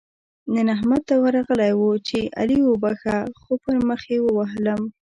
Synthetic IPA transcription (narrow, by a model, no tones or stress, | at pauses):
nənaɦmat̪̚t̪awəɾɑɣəlajwut͡ʃeʔa̰liwobaxaxopəɾməxewəwaɦləm